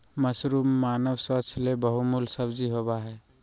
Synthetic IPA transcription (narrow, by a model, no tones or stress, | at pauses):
məsɾumːaːnəbswət͡ʃʰlebəɦumulsəbd͡ʒiɦobaɦɛː